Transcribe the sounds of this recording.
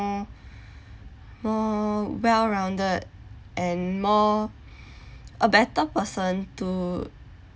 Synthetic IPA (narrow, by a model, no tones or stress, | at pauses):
mɔwɛlɹãw̃ndəd̚ʔɛ̃nmɔ | ʔəbɛtəpəsə̃ntu